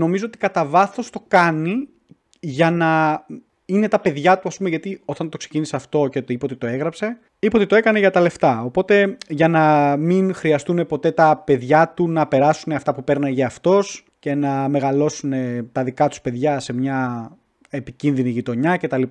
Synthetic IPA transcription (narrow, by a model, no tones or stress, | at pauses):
no̞mizo̞ot̪ikɐt̪ɐvɐθo̞st̪o̞kɐni | ʝɐnɐ | ine̞t̪ɐpe̞ðʝɐt̪uɐspumeʝɐt̪io̞t̪ɐnt̪o̞kse̞ciniseɐft̪o̞ceipot̪it̪o̞e̞ɣɾɐpse̞ | ipo̞t̪it̪oe̞kɐne̞ʝɐt̪ɐle̞ft̪ɐo̞po̞t̪e̞ʝɐnɐminxɾiɐst̪une̞po̞t̪e̞t̪ɐpe̞ðʝɐt̪unɐpe̞ɾɐsuneɐft̪ɐpupe̞ɾnɐʝɐɐft̪o̞s | ce̞nɐme̞ɣɐlo̞sune̞t̪ɐðikɐt̪u̥spe̞ðʝɐse̞mɲɐ | epicinðiniʝit̪o̞ɲɐce̞t̪ɐlip